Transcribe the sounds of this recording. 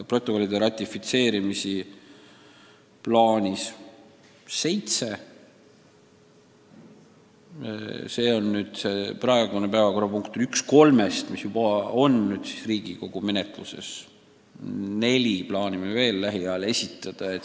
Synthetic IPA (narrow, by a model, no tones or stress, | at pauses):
pro̞t̪ːˑo̞ko̞lːid̪e̞ɾɑt̪ʲˑːifit̪se̞ːɾimisi | plɑːnʲis | se̞jt̪se̞ | se̞ːo̞nːyːd̪̥se̞prɑe̞ɡ̥unepæevɑko̞rɑpuŋkt̪yksko̞lme̞st̪misjubɑo̞nnyːd̪̥si̥sriːɡ̥iko̞ɡ̥ume̞net̪ˑlṵse̞̰s | ne̞lʲiplɑːnʲimeve̞ːlːæɦiɑle̞sʲit̪ːˑɑd̪̥ɑe̞t̪ː